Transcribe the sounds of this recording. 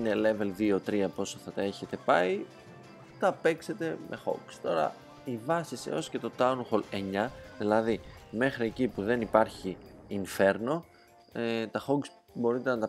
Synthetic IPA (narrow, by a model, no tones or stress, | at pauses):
ine̞le̞ve̞lðio̞t̪ɾiɐpo̞soθɐt̪ɐe̞çe̞t̪e̞pɐi | t̪ɐpe̞kse̞t̪e̞mʔe̞xo̞̰ɡst̪o̞ɾɐ̰ | ivɐsisḛo̞sce̞t̪o̞t̪ɐunxole̞ɲɐðilɐðime̞xɾie̞cipuðe̞nipɐɾçiːnfe̞ɾno̞ | et̪ɐxoɡs | bo̞ɾit̪e̞nɐt̪ɐ